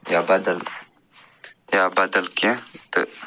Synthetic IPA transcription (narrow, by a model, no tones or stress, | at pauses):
jabɐd̪əl | jabɐd̪əlkẽt̪ɨ̰